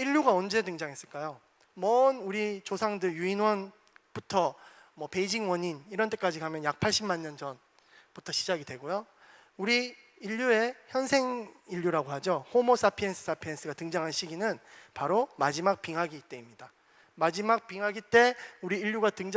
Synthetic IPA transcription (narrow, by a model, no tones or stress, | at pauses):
iʎːjuɡaʌnd͡ʑe̞dɯŋd͡ʑaŋes͈ɯɭk͈ajo | mʌnuɾit͡ɕosʰaŋdɯjuinwʌn | b̥utʰʌ | mʌpe̞id͡ʑiŋwʌɲiniɾʌnt͈ek͈ad͡ʑikamjʌnjak̚pʰaɭɕ͈ʰimːanːʌnd͡ʑʌn | putʰʌɕʰid͡ʑaɡidwe̞ɡojo | uɾiː | ʎːue̞çjʌnsʰe̞ŋiʎːuɾaɡoɦad͡ʑohomos͈apʰiensʰɯ̥s͈ʰapʰiens͈ʰɯɡatɯŋd͡ʑaŋɦanɕ͈iɡinɯnpaɾomad͡ʑimak̚p͈iŋɦaɡit͈eimɲida | mad͡ʑimak̚p͈iŋɦaɡit͈e̞uɾiːʎːuɡatɯŋd͡ʑ